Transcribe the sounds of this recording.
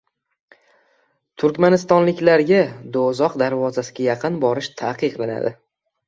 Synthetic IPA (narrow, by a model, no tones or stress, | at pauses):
t̪ʰʊɾkʲmanɪst̪ɒnlɪkʲlaɾɡʲad̪ozɒqd̪aɾvɒzasɪɡʲajɑqʰɨnbɒɾɪʃt̪ʰaqʰɨqlˠana̰d̪ɪ